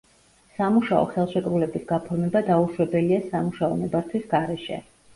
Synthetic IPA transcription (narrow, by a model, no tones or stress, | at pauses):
samuʃaɔ̰χɛlˠʃɛkʼɾulɛbisɡapʰɔɾmɛbad̪auʃwɛbɛliasamuʃaɔnɛbaɾt̪ʰwisɡaɾɛʃɛ̰